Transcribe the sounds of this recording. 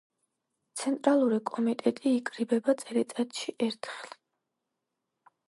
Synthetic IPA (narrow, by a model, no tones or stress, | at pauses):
t̪sʰɛnt̪ʼɾalˠuɾikʼɔmit̪ʼɛt̪ʼiːkʼɾibɛbat̪sʼɛɾɛt̪ʼɛt̪ʼʃiʔɛɾt̪ʰχlˠi̥